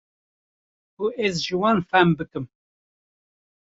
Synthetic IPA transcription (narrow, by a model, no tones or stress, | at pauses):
kuʔɛzʒɨwɑːnfæmbɨkɨm